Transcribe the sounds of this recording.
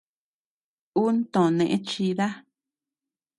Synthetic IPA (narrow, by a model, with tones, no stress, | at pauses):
u˦n˦t̪õ˨nẽ˨ʔẽ˦t͡ʃi˧ða˦